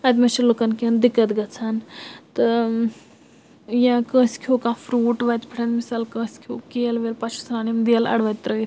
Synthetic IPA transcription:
ɐt̪ʲmet͡ʃilukɐnkʲiənd̪ikɐt̪ɡɐt͡sʰant̪ɨ | jãːkə̃ːskʰoːkãːfʰɾuːʈʋɐt̪ʲpʰiʈʰɐnmisaːlkə̃ːskʰoːkeːlʋelpɐt͡ʃʰsɾaːnimd̪iɐlɐ̰ɽʋɐt̪̚ʲt̪ɾəit̪

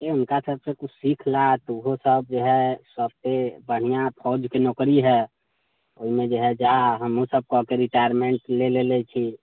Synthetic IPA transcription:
eunkasəbsekut͡ʃʰsikʰlat̪ɔuɦosəb̚d͡ʒeɦɛsəb̚t̪ebəɽ̤ijapʰɔd͡ʒkenokɾiɦɛ | oimẽd͡ʒeɦɛd͡ʒaɦəmosəb̚kɔkeɾiʈajəɾmeɳʈlelelɛt͡ʃʰi

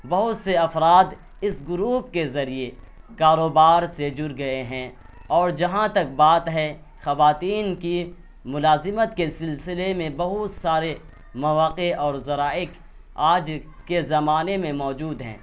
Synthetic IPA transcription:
bɐɦʊt̪seɐfɾaːd̪ | ɪsɡʊɾuːp̚kezɐɾie | kaːɾoːbaːɾsed͡ʒʊɾɡɐeɦɛ̃ː | ɔːɾd͡ʒɐɦãt̪ɐk̚baːt̪ɦɛ | xɐʋaːt̪iːnki | mʊlaːzɪmət̪kesɪlsɪlemẽbɐɦʊt̪saːɾe | mɐʋaːqeɔːɾzɐɾaːɪk | aːd͡ʒkezɐmaːnemẽmɔːd͡ʒuːd̪ɦɛ̰̃ː

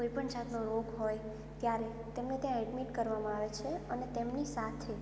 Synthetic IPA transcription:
koipəɳd͡ʒat̪noɾoɡɦoj | t̪jaɾe | t̪emnet̪jãɛɖmiʈkəɾʋamãaʋet͡ʃʰeənet̪emnisat̪ʰe

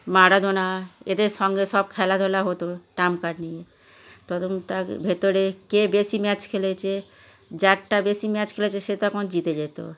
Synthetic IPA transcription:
maɾad̪ʱonaed̪eɾʃɔŋɡeʃɔb̚kʰɛlad̪ʱolaɦot̪oʈamkaɖnije | t̪ɔt̪ont̪abʱet̪oɾekebesimɛt͡ɕkʰelet͡ɕʰe | d͡ʑak̚ʈabesimɛt͡ɕkʰelet͡ɕʰeʃet̪akond͡ʑit̪ed͡ʑajt̪o̰

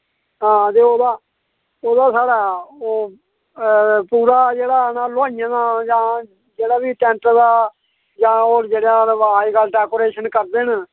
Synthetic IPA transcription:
ɦãːt̪eːoːd̪aː | oːd̪aːsaːɽaːoː | puːɾaːd͡ʒeːɽaːnaːlʊaːijãːd̪ãːd͡ʒãː | d͡ʒeːɽaːʋiːʈɛ̃ːɳʈəd̪aː | d͡ʒãːoːɾd͡ʒeːɽãːɦaːikalɖɛːkoːɾeːʃənkəɾd̪eːn

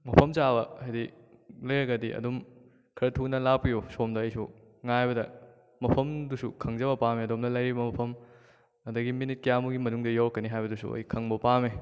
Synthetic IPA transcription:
mɐpʰɐmt͡ʃabɐɐjdi | lɐjɐɡɐdiʔɐ̰dom | kʰɐɾɐtʰunɐlapijosomdɐːjsu | ŋajbɐdɐ | mɐpʰɐmdusukʰɐŋzɐbɐpameɐdomnɐlɐjɾibɐmɐpʰɐm | ɐdɐɡiminit̚kɐjamuɡimɐnuŋdɐjowkːɐniɦajbɐdusṵɐ̰jkʰɐŋbɐpame

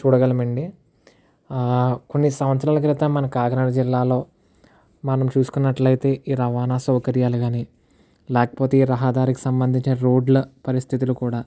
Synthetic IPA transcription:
t͡ʃuːɽɐɡɐlɐmɐɳɖi | ko̞nːisɐmʋɐt̪sɾaːlɐk̬ɾit̪ɐmːɐnɐkaːɡɐnɐɽɐd͡ʒilːaːlo̞ː | mɐnɐmt͡ʃuːsu̥kunːɐʈlɐjt̪e̞ːʔiːɾɐʋaːnaːsɐwkɐɾjaːluɡaːniː | lɛːkɐ̥poːt̪e̞ːiːɾɐɦɐd̪aːɾiki̥sɐmbɐnd̪ʱiɲt͡ʃinɐɾoːɖlɐpɐɾist̪ʰit̪̬ulukuːɽaː

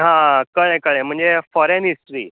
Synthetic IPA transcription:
ɦãkəɭẽkəɭẽm̤əɳd͡zefɔɾenɦisʈɾḭː

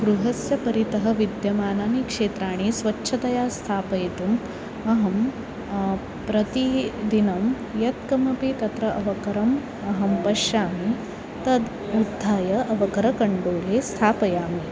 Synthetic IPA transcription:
ɡɾuɦɐsjɐpɐɾit̪ɐɦɐ̆ʋid̪jɐmaːnaːnikʂeːt̪ɾaːɽ̃isʋɐtːʃʰɐt̪ɐjaːst̪ʰaːpɐjt̪um | ɐɦɐm | pɾɐt̪id̪inɐm | jɐt̪kɐmɐpit̪ɐt̪ɾɐʔɐʋɐkɐɾɐm | ɐɦɐmpɐʃjaːmi | t̪ɐd̪ | ud̪ʱːaːjɐʔɐʋɐkɐɾɐkɐɳɖoːleːst̪ʰaːpɐjaːmi

